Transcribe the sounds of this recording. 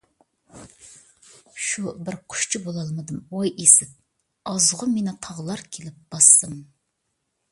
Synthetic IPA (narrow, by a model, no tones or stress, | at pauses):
ʃubɪɾqʰʊ̥ʃt͡ʃʰɪbolˠɑlˠmɨd̪ɨmwojesɪp̚ | ɑzʁʊmenɪt̪ʰɑʁlˠɑɾkʲʰelɪp̚b̥ɑsːɨm